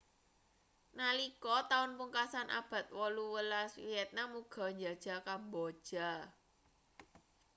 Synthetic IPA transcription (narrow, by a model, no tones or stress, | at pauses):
nalikɔt̪aʊnpuŋkasanʔa̰b̥a̤t̪̚wɔluwəlaswiɛt̪̚namuɡ̥ɔ̤ɲd͡ʒa̤d̥ʒ̥a̤kambɔ̥ʒ̥a̤